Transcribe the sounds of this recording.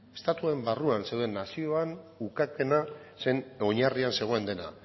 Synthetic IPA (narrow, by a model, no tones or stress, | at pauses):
e̞st̪at̪uaembaruanse̞wðe̞nːasio̞anukake̞nase̞no̞ɲarianse̞ɣ̞o̞end̪e̞na̰